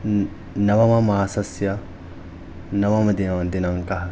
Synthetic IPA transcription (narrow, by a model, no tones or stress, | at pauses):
nɐʋɐmɐmaːsɐsjɐ | nɐʋɐmɐd̪inɐd̪inɐŋkɐɦɐ